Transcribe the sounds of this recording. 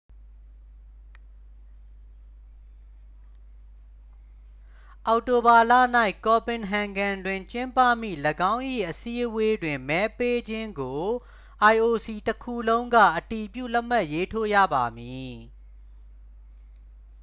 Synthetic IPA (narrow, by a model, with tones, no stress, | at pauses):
ʔa˨ʊʔto˨ba˨lä̰˦˨n̥a˦ɪʔkɔ˨pɪ̃˨nɦã˨ŋɡã˨ndwɪ̃˨ɲt͡ɕɪ̃˦mpä̰˦˨m̥ḭ˦˨ləɡã˦ʊ̃ʔḭ˦˨ʔəsi˦ʔəwe˦dwɪ̃˨mɛ˦pe˦d͡ʑɪ̃˦ŋɡo˨ | ʔa˨ɪʔo˨si˨təkʰu˦˨lõ˦ʊ̃ŋɡä̰˦˨ʔəti˨pjṵ˦˨lɛ˦ʔma˦˨ʔje˦tʰo̰˦˨jä̰˦˨ba˨mji˨